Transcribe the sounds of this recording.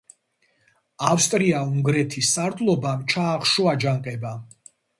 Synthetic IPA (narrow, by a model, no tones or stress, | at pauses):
afst̪ʼɾiauŋɡɾɛt̪ʰisːaɾd̪lˠɔbamt͡ʃʰaːχʃɔad͡ʒaŋqʼɛba